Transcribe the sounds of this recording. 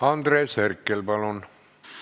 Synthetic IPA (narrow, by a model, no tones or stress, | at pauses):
ɑnd̪reːsherkːelpɑlon